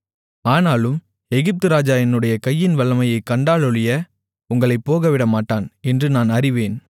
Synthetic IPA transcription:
aːnaːlɯm | ɛɣɪp̚t̪ɯɾaːd͡ʒaːjɐnɯɽɐjɐkɐjːɪnʋɐɭːɐmɐjɐɪkːɐɳɖaːɭɯɭɪjɐ | ʊŋɡɐɭɐɪpːoːɣɐʋɪɽɐmaːʈːaːnɛndrɯnaːnɐrɪʋeːn

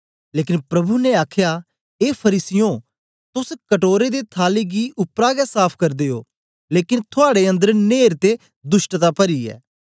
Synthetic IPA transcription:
leːkɪnpɾɐbʱuneaːkʰjaː | eːpʰəɾiːsɪjõː | t̪ʊskəʈoːɾed̪eːt̪ʰaːleːɡiʔʊpɾaːɡɛsaːpʰkɐɾd̪eːo̰ː | leːkɪnt̪ʰʊaːɽeə̃nd̪əɾneːɾt̪e | d̪ʊʃʈət̪aːpəɾiːɛ̰ː

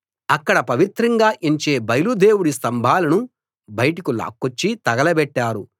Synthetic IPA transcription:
ɐkːɐɽɐpɐʋit̪ɾɐŋɡaːʔiɲt͡ʃe̞ːbɐjlud̪e̞ːwuɽist̪ɐmbʱaːlɐnu | bɐjʈikula̰ːkːot͡ʃːit̪ɐɡɐlɐbɛʈːaːɾu

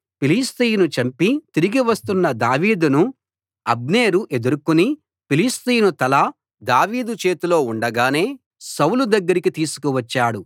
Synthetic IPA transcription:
piliːst̪iːjnut͡ʃɐmpit̪iɾiɡiʋɐst̪unːɐd̪aːʋiːd̪unu | ɐb̚ne̞ːɾuʔe̞d̪uɾukuni | piliːst̪iːjnut̪ɐlɐ | d̪aːʋiːd̪ut͡ʃe̞ːt̪ulo̞ːuɳɖɐɡaːne̞ː | sɐwlud̪ɐɡːɐɾikit̪iːsu̥kuʋɐt͡ʃːaːɽu

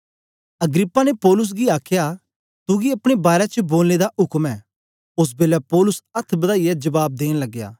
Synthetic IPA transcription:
ɐɡɾɪpːanepɔːlʊs̬ɡiaːkʰja | t̪ʊɡiɐpɽ̃ebaːɾet͡ʃəboːlned̪aʔʊkmɛː | ʊs̬beːlɛpɔːlʊsɐt̪ʰbɐd̪aːijɛd͡ʒɐbaːb̚d̪eːñlɐɡːja̰ː

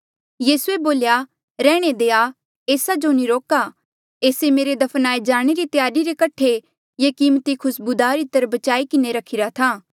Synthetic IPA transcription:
jiːsueboːlja | ɾɛːɽ̃ed̪eːa | eːsad͡ʒoniɾoːka | eːsemeːɾed̪ɐpʰənaːed͡ʒaːɽ̃eɾit̪jaːɾiɾekɐʈʰe | jekiːmt̪ikʰʊsbud̪aːɾɪt̪ːəɾbɐt͡ʃaːikɪneɾɐkʰɪɾat̪ʰaː

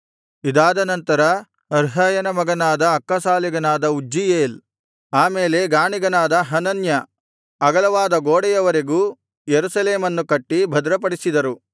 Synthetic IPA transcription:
id̪aːd̪ɐnɐnt̪ɐɾɐ | ɐɾɦɐːjɐnɐmɐɡɐnaːd̪ɐːkːɐsaːliɡɐnaːd̪ɐud͡ʒːijeːl | aːmeːle̞ɡaːɳiɡɐnaːd̪ɐɦɐnɐnjɐ | ɐɡɐlɐʋaːd̪ɐɡoːɽɛjɐʋɐɾeɡuː | jeɾusɐleːmɐnːukɐʈːibʱɐd̪ɾɐpɐɽisid̪ɐɾu

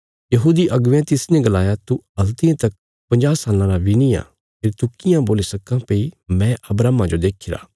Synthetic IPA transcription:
jɐɦuːd̪iʔɐɡʋjãt̪ɪsnẽɡɐlaːjat̪uɐlt̪ɪãt̪ɐk̚ | pɐ̃ɲd͡ʒaːsaːlãɾabinijã̰ | pʰeːɾt̪ukɪjãboːlisɐkãpeimɛ̃ɐbɾaːmãd͡ʒod̪eːkʰɪɾa̰ː

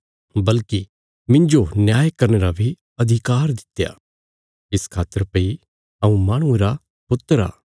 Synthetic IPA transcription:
bɐlki | mɪ̃ɲd͡ʒonjaːjkɐɾneɾabʱi | ɐd̪ʱɪkaːɾd̪ɪ̥t̪ːeja̰ː | ɪskʰaːt̪əɾpɐi | ɐũmaːɽ̃ũeɾa | pʊt̪ːəɾa̰ː

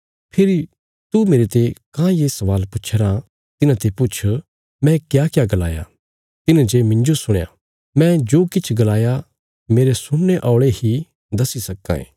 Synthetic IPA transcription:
pʰɪɾi | t̪umeːɾet̪ekãːjesɐʋaːlpʊtːt͡ʃʰːɾã | t̪ɪnãt̪epʊt͡ʃʰ | mɛ̃kjaːkjaɡɐla̰ːja̰ | t̪ɪnãd͡ʒemɪ̃ɲd͡ʒosʊɽ̃ja̰ | mɛ̃d͡ʒoːkɪt͡ʃʰɡɐlaːja | meːɾesʊnːeʔɔːɭehi | d̪ɐsisɐkːã̰ḛ̃ː

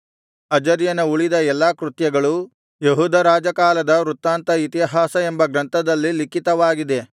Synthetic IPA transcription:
ɐd͡ʒɐɾjɐnɐuɭid̪ɐɛlːaːkɾut̪jɐɡɐɭu | jeɦuːd̪ʱɐɾaːd͡ʒɐkaːlɐd̪ɐɾut̪ːaːnt̪ɐit̪iɦaːsɐembɐɡɾɐnt̪ʰɐd̪ɐlːilikit̪ɐʋaːɡid̪e̞

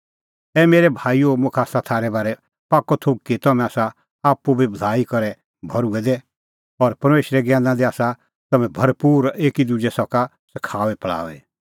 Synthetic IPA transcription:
ɛmeːɾɛbʱaːiomʊ̃kʰaːsat̪ʰaːɾɛbaːɾɛ | paːkːɔt̪ʰok̚kit̪ɐmɛ̃aːsa | aːpːubibɐd̪ʱaːikɐɾɛ | bʱɐɾuɛd̪ɛ | ɔɾpɐɾmeːʃɾɛɡjãːnãd̪iaːsa | t̪ɐmɛ̃bʱɐɾpuːɾeːkid̪ud͡ʒɛsɔka | sɐkʰaːʋɛpɐɭa̰ːʋɛ

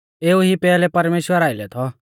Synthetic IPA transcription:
eːuɦipɛːlɛpɐɾmeːʃwəɾaːɪlɛt̪ʰɔ

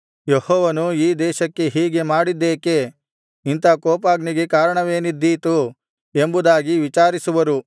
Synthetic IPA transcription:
jehɔːʋɐnuiːd̪ɛːʃɐkːe̞ɦiːɡe̞maːɽid̪ːeːke̞ | int̪ɐkɔːpaːɡniɡe̞kaːɾɐɳɐʋe̞ːnid̪ːiːt̪u | e̞mbud̪aːɡiʋit͡ʃaːɾisuʋɐɾu

